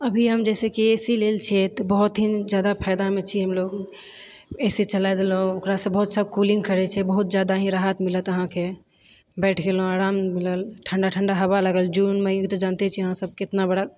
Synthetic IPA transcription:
əbʱiɦəmd͡ʒɛsekeesilelt͡ʃʰɛt̪ɔbəɦut̪ɦind͡ʒjad̪apʰəɪd̪amet͡ʃʰiɦəmloɡ | ɛset͡ʃəlajd̪elɦõokɾasə̃bəɦut̪sabkulĩŋɡkəɾɛt͡ʃʰɛbəɦut̪̚d͡ʒjad̪aɦĩɾaɦət̪milət̪əɦãke | bɛʈʰɡelɦõaɾammiləlʈʰəɳɖaʈʰəɳɖaɦəβaləɡəld͡ʒunməkt̪ɔd͡ʒant̪ɛt͡ʃʰiəɦãsəb̚kɪt̪nabəɽa

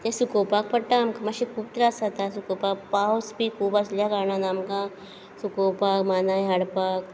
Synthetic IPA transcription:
t̪esukoːpaːk̚pɐʈːamkamɐʃikuːbt̪ɾaːsat̪asukoːpaːkpaːosbikʰuːbasljakaɾnanaːmkã | sukoːpaːkmaːnaẽɦɐɽpaːk

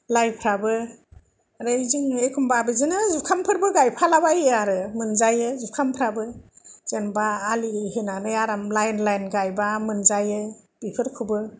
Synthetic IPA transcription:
lajpʰɾabɯ | ɾejziŋekʰumbabɯzɯnɯzukʰampʰɯɾbɯɡajpʰalabajaɾɯmɯnzajɯzukʰampʰɾabɯz̥enbaːliɦenanɯjaɾamlajnlajnɡajbamɯnzajɯb̥ipʰɯɾkʰubɯ

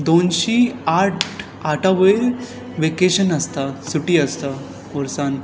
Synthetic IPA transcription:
d̪onɕiːaʈ | aʈʰaʋəiɾ | ʋekeɕənəst̪asuʈiəst̪a | ɔɾsan

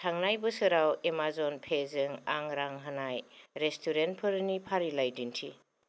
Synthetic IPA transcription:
tʰaŋnajbɯsɯɾawemazɔnpʰezɯŋaŋɾaŋɦanajɾestʰuɾent̚pʰɯɾnipʰaɾilajdintʰi

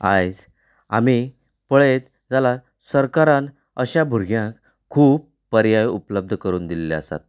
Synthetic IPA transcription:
ajd͡z | a̰mi | pəɭet̪ | d͡zalaɾ | səɾkaɾãn | əɕabʱuɾɡjãkʰː | uːbːəɾjajupləb̚d̪ʱəkəɾuːnd̪ilːeəsa̰t̪̚

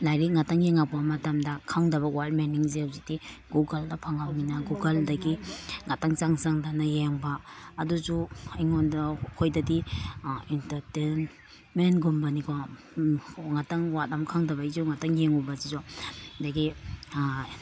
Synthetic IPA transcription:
lajɾiŋataŋjeŋapamɐtamdɐkʰaŋdɐβɐwat̚meniŋzeawzitiɡuɡaldɐpʰaŋawninaɡuɡaldɐɡiŋataŋt͡ʃaŋsaŋdanajeŋbɐːduzuiŋondakʰojdɐdi | intɐɾten | menɡumbɐnikʰo | ŋataŋwat̚amkʰaŋdɐbaizuŋataŋjeŋubazizɔdaɡi

